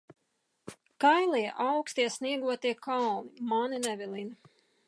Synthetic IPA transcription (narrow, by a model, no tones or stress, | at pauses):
kajlˠijɛʔawkst̪iɛsniɛɡuɔt̪iɛkalˠnimaninɛvʲilˠini